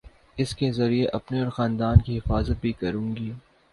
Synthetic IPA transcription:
ɪskezɐɾieʔɐpneɔːɾxãːnd̪aːnkiɦɪfaːzət̪̚bʱikɐɾũːŋɡiː

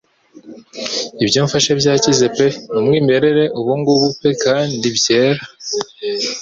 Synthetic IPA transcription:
ibjoːɱfaʃebjaːcizepe̞numŋiːme̞ɾe̞ɾe̞ʔuβuŋɡuβupe̞kaːndibje̞ːɾa

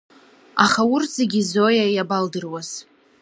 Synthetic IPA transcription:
aχawʊrz̥eɡʲizojajabaldɨrwaz̥

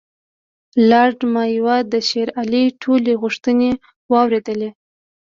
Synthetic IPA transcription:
lɑɾɖmɑjwad̪əʃeɾaliʈʰoleɣʊʂt̪əne | wɑwɾed̪əle

